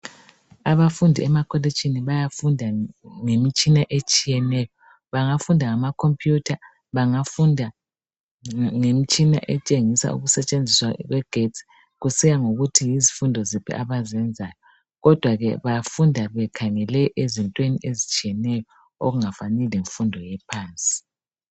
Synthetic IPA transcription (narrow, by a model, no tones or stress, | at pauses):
aβafundʱiɛmakʰolit͡ʃʰʼiniβajafundʱaŋemit͡ʃʼinaʔet͡ʃʼijɛnɛjɔ | βaŋafundʱaŋamakʰompʼʰjutʰa | βaŋafundʱa | ŋemit͡ʃʼina̰ʔɛt͡ʃʼeŋisa̰ʔṵɣusɛt͡ʃʼend͡zʱiswa̰ɣwɛɡ̥ʱet͡sʼi̥ | ɣusijaŋoɣutʰijizifundʱɔzipʰḭʔaβazɛnd͡zʱaːjɔ | ɣɔd̥ʱwaɣɛβajafundʱaβɛkʰaŋɛlɛʔezintʼwenḭʔezit͡ʃʼijɛnɛjɔ | o̰ɣuŋafanɛleɱfundʱɔjɛpʰaːnt͡sʼi̥